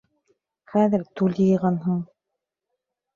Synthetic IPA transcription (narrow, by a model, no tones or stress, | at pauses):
χæðɘɾt̪ʉljɤ̆ʁɑnɦɤɴ